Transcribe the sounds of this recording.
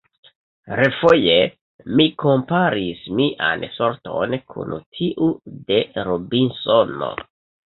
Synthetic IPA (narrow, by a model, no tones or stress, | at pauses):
ɾefo̞je | miko̞mpaɾismiʔa̰nsoɾto̞̰nkʰṵntʰiʔude̞ɾobinsono̞̰